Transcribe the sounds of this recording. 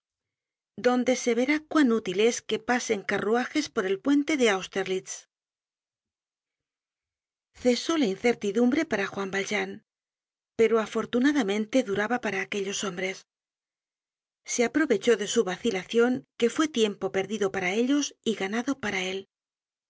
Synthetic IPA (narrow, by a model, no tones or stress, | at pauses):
d̪o̞nd̪e̞se̞β̞e̞ɾakwanut̪ile̞ske̞pase̞ŋkaruaxe̞spo̞ɾe̞lpwe̞nt̪e̞ðe̞awst̪e̞ɾlit̪s | θe̞so̞lainθe̞ɾt̪iðumbɾe̞paɾaxwambalʒan | pe̞ɾoafo̞ɾt̪unaðamẽ̞nt̪e̞ðuɾaβapaɾaːke̞ʎo̞so̞mbɾe̞s | e̞apɾo̞βe̞t͡ʃo̞ðe̞suβaθilaθjo̞ŋke̞fwe̞t̪je̞mpo̞pe̞ɾðiðo̞paɾae̞ʎo̞siɣanaðo̞paɾae̞l